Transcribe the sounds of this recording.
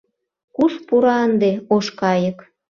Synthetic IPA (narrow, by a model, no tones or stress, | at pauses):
kuʃpuɾɑənd̪eoʃkɑjək